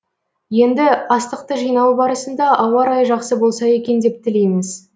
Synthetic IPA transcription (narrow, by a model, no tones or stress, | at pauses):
je̞nd̪ɪɑst̪əq̚t̪əʒijnɑwbɑɾəsənd̪ɑʔɑwɑɾɑjʒɑqsəbolˠsɑje̞kʲe̞nd̪e̞p̚t̪ʰɪle̞me̞s